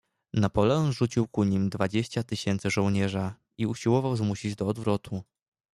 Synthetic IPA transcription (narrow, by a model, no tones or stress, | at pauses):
napɔlɛɔnʐut͡ɕiwkuɲimd̪vad͡ʑeɕt͡ɕat̪ɘɕɛnt̪sɘʐɔ̃w̃ɲɛʐa | iuɕiwɔvawzmuɕid͡ʑd̪ɔːd̪vɾɔt̪ʰu